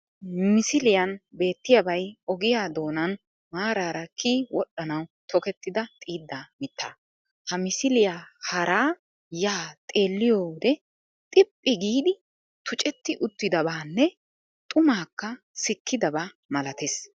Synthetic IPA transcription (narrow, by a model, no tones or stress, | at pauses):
mɪsɪlɪjɐnbe̞ːt̪ːɪjabɐjɔɡɪjaːd̪o̞ːnɐn | maːɾaːɾɐkʰiːwɔɗːɐnɐwt̪ʰɔkɛt̪ːɪd̪ɐt̪ʼiːd̪ːamɪt̪ːaː | hɐmɪsɪlɪjahɐɾaː | jaːt̪ʼe̞ːlːɪjoːd̪ɛ | t̪ʼɪpʼːɪɡiːd̪ɪ | t̪ʊt͡ʃʼɛt̪ːɪʔʊt̪ːɪd̪ɐbaːnːɛ | t̪ʼʊmaːkːɐ | sɪkːɪd̪ɐba | mɐlɐt̪es